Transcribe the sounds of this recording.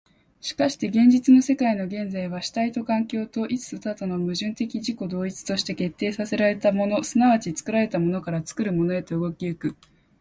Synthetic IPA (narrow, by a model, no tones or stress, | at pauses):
ɕi̥kaɕi̥t̪e̞ɡẽ̞ɲ̟d͡ʑit͡sɨno̞se̞kaino̞ɡẽ̞nd͡zaiβ̞aɕi̥t̪ait̪o̞kãŋkʲo̞ːt̪o̞ʔit͡sɨ̥ɨt̪at̪ono̞mɯ̟ʑɨ̃nt̪e̞kʲiʑiko̞d̪o̞ːit͡sɨ̥t̪o̞ɕi̥t̪e̞ke̞t̪ːe̞ːsase̞ɾaɾe̞t̪amo̞no̞sɨnaβ̞at͡ɕit͡sɨ̥kɯ̟ɾaɾe̞t̪amo̞no̞kaɾat͡sɨ̥kɯ̟ɾɯ̟mo̞no̞e̞t̪o̞ɯɡo̞kʲiɯkɯ̟